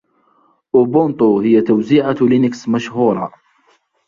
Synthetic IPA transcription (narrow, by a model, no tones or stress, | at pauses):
ʔʊbʊnt̪ˤuhɪjːat̪awziʕalinɪksmaʃhuːɾˤɑ